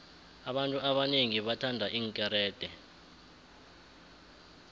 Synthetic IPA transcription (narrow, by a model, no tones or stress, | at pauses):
aɓantʼuaɓaneŋiɓatʰandʱaʔiːŋkʼɛɾɛːd̥ʱɛ